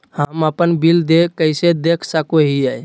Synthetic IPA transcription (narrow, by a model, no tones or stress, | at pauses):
həməpənbild̪ekəjsed̪ekʰsəkoɦiaj